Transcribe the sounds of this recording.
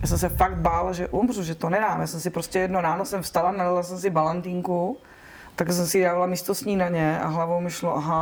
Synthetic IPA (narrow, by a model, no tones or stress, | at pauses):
jaːsɛmsɛfaɡt̪̚balʒɛʔumruʒɛt̪onɛdaːmjaːsɛmsɪpɾoscɛjɛdnoɾaːnosɛmfst̪alanadalasɛms̬ɪbalant̪iːŋku | t̪aɡɛs̬ɛmsɪdaːvalamiːst̪osɲiːnaɲɛa̰ɦlavowmɪʃloʔaɦa